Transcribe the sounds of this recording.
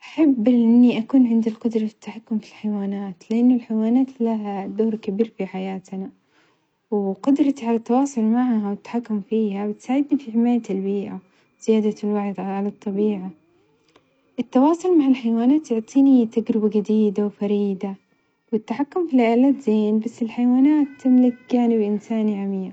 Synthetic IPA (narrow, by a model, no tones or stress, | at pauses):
ʔaħabːlʔɪnːiʔakuːnʕɪnd̪alqʊd̪ɾˤɑfɪt̪ːaħakːʊmfilħajwaːnaːt̪lɪʔɪnːʊlħajwaːnaːt̪laɦad̪oːɾkabiːɾfiħajaːt̪na | wɪqʊd̪ɾˤɑt̪ʕalat̪ːɑwɑːsˤʊlmaʕɦawɪt̪ːḁħakːʊmfiːhabɪt̪saːʕɪd̪nifiħɪmaːjat̪albiːʔa | z̥ɪjaːd̪alwaʕd̪ʕʕalɑt̪ˤːɑbiːʕa | ʔɪt̪ːɑwɑːsˤʊlmaʕɪlħajwaːnaːt̪jʊʕt̪ˤiːnit̪aɡɾɪbaɡad̪iːd̪awfaɾiːd̪a | wɪt̪ːaħakːʊmfilɪʔaːlaːt̪zeːnbasːɪlħajawaːnaːt̪ːɪmlɪkjaʕnɪbʔɪnsaːniʕamiː